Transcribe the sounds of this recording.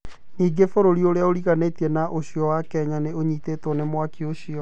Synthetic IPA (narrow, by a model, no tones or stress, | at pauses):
niːɡefoɾoɾioɾeaoɾiɣanetiɛnaʔoɕjɔwakɛɲaneoɲiːtetɔnemwakioɕiɔ